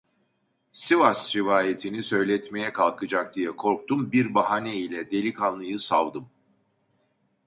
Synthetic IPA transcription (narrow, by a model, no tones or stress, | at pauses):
sivasɾivaːjet̪ʰinisø̞jlʲɛt̪me̞jɛkʰalˠkʰɯd͡ʒak̚d̪ijɛkʰo̞ɾk̚t̪ʰumbiɾbaɦanɛilʲɛd̪e̞lʲikʰanːˠɯjɯsavd̪ɯm